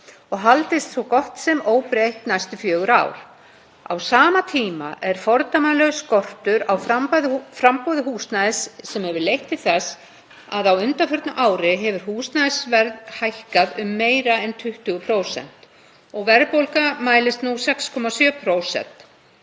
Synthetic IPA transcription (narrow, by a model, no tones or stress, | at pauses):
ɔɣɦalt̪ɪst̪svɔwkɔht̪sɛmoːwpɾejht̪najst̪ʏfjœːɣʏɾa̰ːwɾ̥ | a̰wsaːmat̪ʰiːma̰ʔɛɾ̥fɔɾt̪amalœɣskɔr̥t̪ʏɾawfɾampaðfɾampoːwðɪɦuːsnaðɪsːɛmhɛvʏɾlejht̪ɪ̥θɛs | aðawʏnt̪afœɾt̪naʔaːwɾɪɦɛvʏɾ̥huːsnaðɪsvɛɾðhajhkaðʏmːeːjɾaɛnt̪ʰʏht̪ʏɣʏpʰɾoːwsɛ̰n̥t̪ | ɔɣvɛɾpowlkamaːjlɪst̪nusɛkskʰɔmasjœːpʰɾowsɛ̰n̥t̪